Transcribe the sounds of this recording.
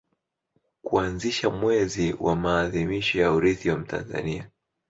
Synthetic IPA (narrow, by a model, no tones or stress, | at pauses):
kuanziʃamwɛziwʔa̰maːðimiʃɔjauɾiθiwam̩tʰa̰nza̰nia